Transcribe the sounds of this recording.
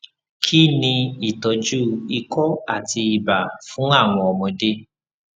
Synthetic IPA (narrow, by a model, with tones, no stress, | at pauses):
kʰi˦˨nĩ˧i˨tɔ˧d͡ʒu˦˨i˧kɔ˦a˦˨ti˧i˧ba˨fũ˨˦a˦˨w̃ɔ̃˧ɔ˧˨mɔ̃˧de˦